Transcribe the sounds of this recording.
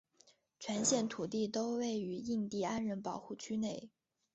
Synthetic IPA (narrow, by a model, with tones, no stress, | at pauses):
t͡ɕʰɥɛ˧˥nɕjɛ˥˩nt̪ʰu˨˩t̪̬i˥˩t̪o˥ʊwe˥˩ɪy˧˥i˥˧ŋt̪i˥˩a˥nɻə˧˥npɑ˨˩ʊxu˥˩t͡ɕʰy˥ne˥˩ɪ